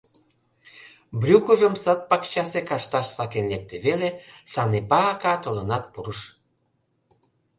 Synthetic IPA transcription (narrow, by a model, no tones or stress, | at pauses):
brʲukəʒəmsət̪̚pɑkt͡ɕɑsekɑʃt̪ɑʃsɑkenlek̚t̪eβelesɑnepɑːkɑt̪olə̆nɑt̪̚puɾəʃ